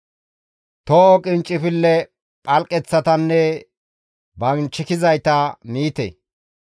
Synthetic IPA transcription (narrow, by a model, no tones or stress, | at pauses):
t̪okʼɪnt͡ʃʼːɪfɪlːɛ | pʼɐlkʼɛt͡sːɐt̪ɐnːɛ | bɐnt͡ʃːɪkɪzɐjt̪ɐniːt̪ɛ̰